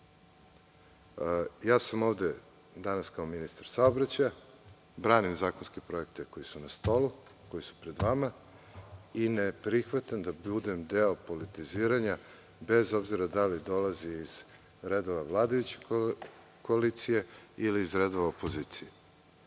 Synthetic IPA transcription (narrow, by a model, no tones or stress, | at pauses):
jaːsamo̞vd̪e | d̪anaskaominist̪aɾsaobɾat͡ɕaja | bɾaːnimzaːko̞nskepɾo̞ek̚t̪eko̞jisunast̪o̞lu | ko̞jisu̥pɾe̞d̪ʋama | inepɾixʋat̪and̪abud̪emd̪eopo̞lit̪iziːɾaɲa | be̞zo̞bziɾad̪alid̪o̞laziːz̥ | ɾed̪oʋaʋlˠaːd̪ajut͡ɕe | ko̞alit̪sije̞iliːzɾed̪oʋaopo̞ziːt̪sije